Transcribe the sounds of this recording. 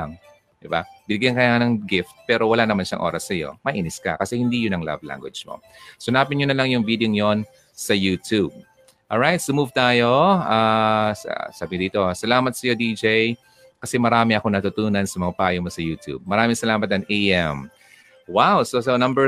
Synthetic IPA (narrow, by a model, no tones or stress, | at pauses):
ŋ | d̪ɪba̰b̥ɪnɪɡjankɐjanɐŋɡɪft̪̚pɛːɾo̞wɐlanɐmanʃɐ̰ŋʔo̞̰ːɾɐsːɐjo̞̰mɐʔiːnɪskɐ̰kɐsɛhɪnd̪iːjʊnɐŋla̰vla̰ŋɡwɛ̰d͡ʒmo̰ | sʊnaːpɪnɲonɐlaŋjʊŋviːd̪eoŋjon | sɐjuːt̪ub̚ | ʔolɹajt̪sɐmuvt̪aːjo̞aːssaːbɪŋod̪iːt̪o̞sɐlaːmɐt̪̚sɐjo̞d̪id͡ʒej | kɐsɛmɐɾaːmɪʔɐko̞nɐt̪ʊt̪uːnɐnsɐmɐŋapɐaːjomosɐjuːt̪ʰjṵb̚mɐɾaːmɪŋsɐlaːmɐt̪ɐŋʔejʔɛm | wawsosonɐ̃mbɛ